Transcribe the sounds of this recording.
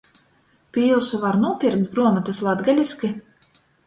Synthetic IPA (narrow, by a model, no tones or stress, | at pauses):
pʲilˠsuvaɾnuɔpʲiɾkt̪̚bɾuɔmat̪aslˠad̪ɡalʲiskʲi